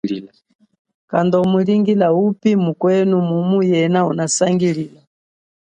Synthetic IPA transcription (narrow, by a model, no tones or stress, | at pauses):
kandɔmuliŋɡilaupimukwɛnumumujɛnaunasaŋɡilila